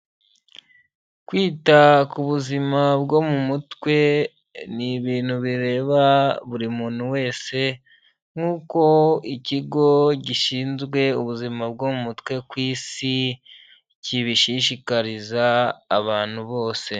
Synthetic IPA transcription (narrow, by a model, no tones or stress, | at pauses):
kwiːtakuβuzimabɡo̞mumutkwe̞ | niβiːnhuβiɾe̞ːβaβuɾimuːn̥huwe̞ːse̞ | ŋ̥uːko̞iciɡo̞ɟiʃiːnzɡwe̞uβuzimab̚ɡomumutkwe̞kwiːsi | ciβiʃiʃikaɾizaːβaːn̥huβo̞ːse̞